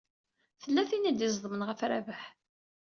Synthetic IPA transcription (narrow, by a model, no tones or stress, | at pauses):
θəlːæθinid̪jizˤðˤəmənʁəfɾæ̰vəħ